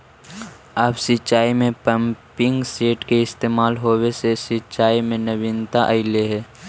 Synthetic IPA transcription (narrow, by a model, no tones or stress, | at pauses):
aːpsɪt͡ʃaːimẽpəmpɪ̃ŋɡseːʈkeɪst̪eːmaːlɦoːwesesɪt͡ʃaːimẽnəʋɪnt̪aʔəɪleɦɛː